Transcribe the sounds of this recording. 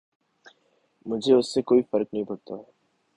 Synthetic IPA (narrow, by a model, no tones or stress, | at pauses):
mʊd͡ʒʱeʊsːekoːifɐɾk̚nɐɦĩpɐɾt̪aɦɛː